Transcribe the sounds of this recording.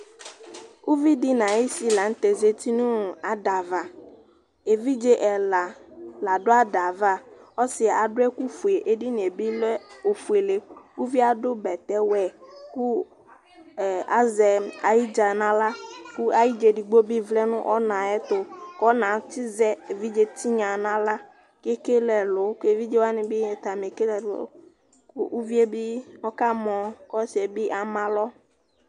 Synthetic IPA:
u˦vi˦dɪ˦nã˨e˦si˨˦la˨ŋ̩˦t̪ɛ˨ze˨t̪i˦nʊ̃˦˨a˨da˨va˨ | e˨vi˦d͡ʒe˦ʔɛ˨la˨la˨ɖʊ˦a˦da˨va˦ɔ˦sɪ˨a˨a˨ɖʊ˦ɛ˦ku˦fu˨e˨ʔe˦di˦nĩ˨e˨bi˦lɛ˦o˨fu˨e˨le˦u˦vi˦a˨dʊ˦bɛ˨t̪ɛ˦wɛ˨ku˦˨ | a˦zɛ˨a˨ji˦d͡ʒa˨nã˦la˦ku˦a˨ji˦d͡ʒe˨di˨ɡ͡bo˦bɪ˦vlɛ˦nʊ̰̃˦ʔɔ˦nã˨ɛ˦t̪ʊ˨kɔ˦nã˨t̪ɪ˦zɛ˦e˨vi˦d͡ʒe˦t̪i˦ɲã˨nã˦la˦ | ke˦ke˦lɛ˨lʊ˨˦ke˨vi˦d͡ʒe˦wa˦nɪ̃˨bɪ˦˨t̪a˨me˨ke˦lɛ̰˨˦ | kʊ˦u˦vi˦e˦bɪ˦ɔ˦ka˦mɔ̃˨kɔ˦sɪ˨ɛ˨bɪ˦ʔa˨mã˨lɔ˦

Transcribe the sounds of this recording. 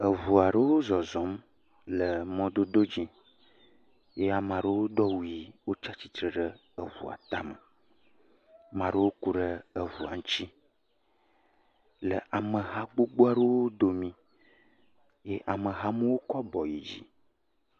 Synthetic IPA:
ə˨vu˨a˨ɖə˦wo˦zɔ˨zɔ˨˦m | lə˨mɔ̃˦d̪o˦d̪o˦d͡ʑĩ˦ | je˦a˨mã˨ɖə˦wo˦d̪ɔ˦wu˨i˨wo˦t͡ʃa˦t͡ɕi˦t̪ɾə˨ɖə˦ | ə˨vṵ˨a̰˨t̪a˦mə˨ | mã˨ɖə˦wo˦ku˨ɖə˦ə˨vu˨a̰˨ŋ˦t͡ɕi˦ | lə˨ʔa˨mə˨ɦa˦ɡ͡bo˦ɡ͡bo˦a˦ɖə˦wo˦d̪o˨mĩ˦ | je˦ʔa˨mə˨ɦa˦mə̃˦wo˦kɔ˦bɔ˨ji˨d͡ʑḭ˦

